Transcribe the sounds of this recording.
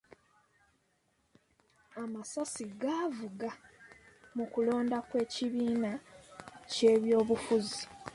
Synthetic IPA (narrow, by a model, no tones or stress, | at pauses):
amasasiɡavuɡa | mukulo̞ːndakwe̞ːciβiːna | ce̞ːβjo̞ːβufuzi